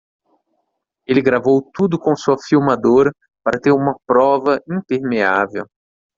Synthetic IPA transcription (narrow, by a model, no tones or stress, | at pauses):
elɪɡɾavowt̪ud̪ʊkõsuɐfiwmad̪oɾɐ | paɾɐt̪eɾũmɐpɾɔvɐĩnt̪eɾmeavew